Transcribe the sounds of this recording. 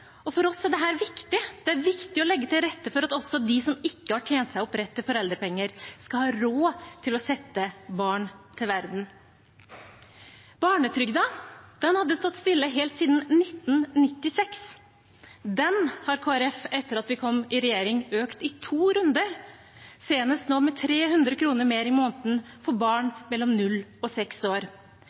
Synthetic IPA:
ɔfɔɾɔsɛɖɛɦæːɾʋɪkt̪ɪd̪̥ɛæɾʋɪkt̪ɪɔlɛɡːət̪ʰɪlɾɛt̪ːəfɔɾɑt̪ɔsɔd̪ɪsɔmɪkːəhɑʈʰjeːnt̪sæɪɔpɾɛt̪ːəfɔɾɛld̪ɾəpɛŋːəɾskɑlhɑːɾoːt̪ʰɪlɔsɛt̪ːəbɑːɳt̪ʰɪlʋæɾd̪n̩ | b̥ɑːɳət̪ʰɾʏɡd̪ɑd̪̥ɛnhɑd̪ːəst̪ɔt̪ːst̪ɪlːəɦɛlt̪siːd̪n̩nɪt̪ːn̩nɪt̪ːɪsɛks | d̪ɛnhɑɾkʰoːæɾɛfɛt̪ːəɾɑt̪ʋɪkʰɔmːɪɾɛjeːɾɪŋøːkt̪ɪt̪ʰuːɾʉnd̪əɾ | seːnəst̪noːmɛt̪ʰɾeːɦʉnd̪ɾəkʰɾuːnəɾmeːɾɪmoːnt̪n̩ | fɔɾbɑːɳmɛlːɔmnʉlːɔsɛksoːɾ

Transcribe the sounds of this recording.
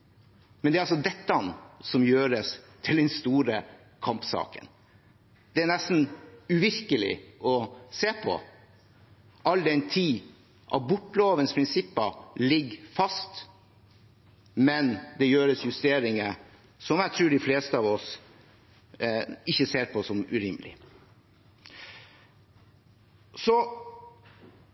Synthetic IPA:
mɛnd̪ɛɾɑlsɔd̪ɛt̪ːɑnsɔmjøːɾəst̪ʰɪld̪ɛnst̪uːɾə | kʰɑmpsɑ̰ːkə̰n | d̪̥ɛænɛst̪n̩ʉʋɪɾkəlɪ̰ʔɔseːpʰɔ̰ | ʔɑld̪ɛɪnt̪ʰiː | ʔɑ̰ʋbʊʈːloːʋənspʰɾɪnsɪpːəlɪɡfɑst̪ | mɛnd̪ɛjøːɾəsjʉst̪eːɾɪŋə | sɔmæɪt̪ʰɾʉːɖɪfleːst̪əɑːʋɔs | ɪçːəseːɾpʰɔsɔmʉɾɪməlɪ̰ | sɔ

